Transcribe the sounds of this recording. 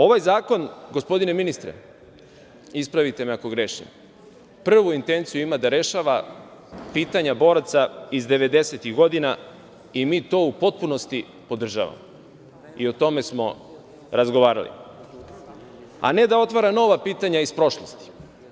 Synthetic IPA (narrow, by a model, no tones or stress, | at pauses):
o̞ʋajzaːko̞nɡo̞spo̞d̪ine̞minist̪ɾḛ | ispɾaʋit̪e̞meako̞ɡɾeʃnḭm | pr̩ʋuint̪e̞nt̪sijuimad̪aɾe̞ʃaʋa | piːt̪aɲabo̞ːɾat̪saizd̪e̞ʋe̞d̪e̞se̞t̪iɣɡo̞d̪ina | imiːt̪o̞ːupo̞t̪̚puno̞st̪i | po̞d̪r̩ʒa̰ʋa̰mo | io̞t̪o̞me̞smo̞ | ɾazɡo̞ʋaːɾa̰lḭ | a̰ne̞d̪ao̞t̪ʋaɾano̞ʋapiːt̪aɲaispɾo̞ʃlo̞st̪i̥